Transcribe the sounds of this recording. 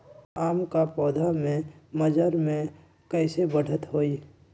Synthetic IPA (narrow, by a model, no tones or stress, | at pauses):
aːmkapɔːd̪ʱamẽməd͡ʒəɾmẽ | kɛɪsebəɽ̤ʱət̪ɦoːi